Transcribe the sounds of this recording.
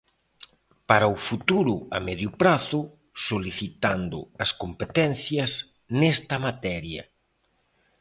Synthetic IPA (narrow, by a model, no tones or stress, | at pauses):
paɾɐʊfut̪uɾʊɐ̰mɛðjʊpɾaθʊ | soliθit̪and̪ʊ̰ɐskompet̪ɛn̟θjɐs | nɛst̪ɐmat̪ɛɾjɐ̰